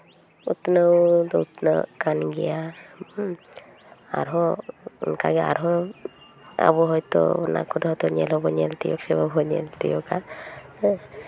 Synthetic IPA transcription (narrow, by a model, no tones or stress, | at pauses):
ut̪nəwd̪ɔut̪nə̰kanɡɛja | a̰ɾɦɔunkaɡɛa̰ɾɦɔ | a̰bɔɦɔjt̪ɔ̰na̰kʰɔd̪ɔɦɔjt̪ɔɲɛlɦɔbɔɲɛlt̪ijɔksɛbabʱɔɲɛlt̪ijɔka